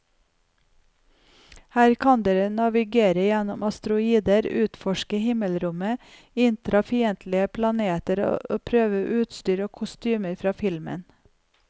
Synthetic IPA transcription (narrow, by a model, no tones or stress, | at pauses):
hæːɾkʰɑnd̪eːɾənɑʋɪɡeːɾəjɛnʊmɑst̪ɾʊiːd̪əɾʉːt̪fɔʃkəhɪməlɾʊmə | ɪnt̪ʰɾɑfiːənt̪ʰlɪəpʰlɑneːt̪əɾo̰oːpʰɾøːʋəʔʉːt̪st̪yːɾoːkʰʊst̪yːməɾfɾɑːfɪlmə̰n